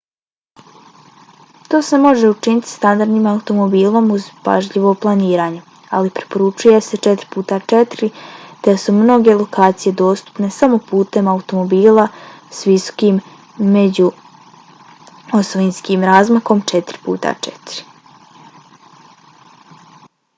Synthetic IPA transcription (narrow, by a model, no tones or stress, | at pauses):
t̪o̞ːsemo̞ʒe̞ut͡ʃinit̪i̥st̪and̪aɾd̪niːmaut̪o̞mo̞biːlˠo̞muzpa̰ʒʎiʋo̞plˠaniːɾaːɲe | alipɾe̥po̞ɾut͡ʃuje̞se̞t͡ʃet̪ɾi̥puːt̪at͡ʃet̪ɾit̪e̞sumno̞ɡe̞lˠo̞kaːt̪sije̞d̪o̞ːst̪u̥pne̞samo̞puːt̪e̞maut̪o̞mo̞biːlˠasʋiso̥kim | me̞d͡ʑu | osoʋinskiːmɾaːzmako̞mt͡ʃet̪ɾi̥pṵːt̪a̰t͡ʃet̪ɾi̥